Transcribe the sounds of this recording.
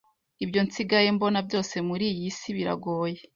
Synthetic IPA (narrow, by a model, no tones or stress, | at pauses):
ibjo̞nsiɡajembo̞nabɟo̞ːse̞muɾiːjisiβiɾa̰ɡo̞ːje